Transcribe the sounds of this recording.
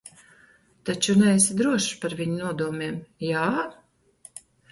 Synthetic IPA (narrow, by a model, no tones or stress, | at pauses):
t̪at͡ʃunɛːsid̪ɾuɔʃpaɾvʲiɲunuɔd̪uɔmʲiɛmjaː